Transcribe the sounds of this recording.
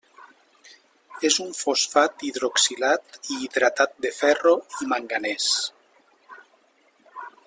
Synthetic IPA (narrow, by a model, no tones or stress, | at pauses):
ezuɱfosfat̪iðɾoksilat̪iːðɾat̪at̪̚d̪efɛroimaŋɡanes